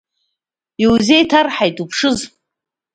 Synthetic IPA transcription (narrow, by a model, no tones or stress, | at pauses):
iwzejtʰarħajtʼupʰʂɨz